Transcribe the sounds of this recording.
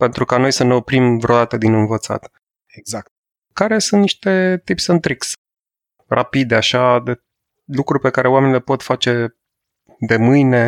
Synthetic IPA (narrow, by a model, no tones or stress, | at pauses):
pe̞nt̪ɾukano̞jsəne̞o̞pɾimvɾeod̪at̪əd̪inɨnvət̪sa̰t̪ | eɡzakt̪̚ | kaɾe̞sunt̪niʃt̪e̞t̪ipsɨnt̪ɾiks | rʔapid̪eaʃad̪e | lukɾurpe̞kaɾe̞oame̞nilepo̞t̪fat͡ʃe̞ | d̪e̞mɨjne̞